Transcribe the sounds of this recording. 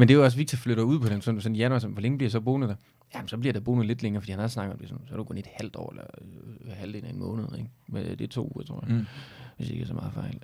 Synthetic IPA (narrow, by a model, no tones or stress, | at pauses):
mend̥ejɒ̽s̬ʋiɡ̥̚t͡sʰifløɾ̥ɐuð̞̰ˠpʰɒ̽d̥ensɒ̽nsɒnjænɒsɔnʋɒleŋəb̥iɐisɒ̽b̥o̝ːnð̩ˠd̥æ | jæmnsɒ̽b̥liɐd̥æb̥o̝ːnð̩ˠle̝d̥leŋɐːfd̥ḭhænhɑɒ̽snɑ̈ɡ̥ˠɒ̽md̥e̝sɔnsɒɾukʰo̽ne̝d̥hæl̰d̥ɒ̰ːelɐ | hæld̥e̝ːnɐimɔ̰̽ːnəð̞̩ˠeɡ̥med̥et͡sʰo̝̰ːuːɐt͡sʰʁo̝ɐ̰jaʋe̝sd̥e̝ɡ̥æsɒmɑ̈ːð̩ˠfɑ̈ɪ̰l